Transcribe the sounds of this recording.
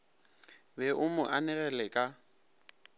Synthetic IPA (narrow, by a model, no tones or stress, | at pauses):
bɛʔʊmʊʔanɛɣɛlɛkʼa